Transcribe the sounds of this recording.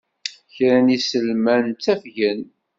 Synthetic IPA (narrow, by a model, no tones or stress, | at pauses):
çɾænisəlmænt͡sːæfʝən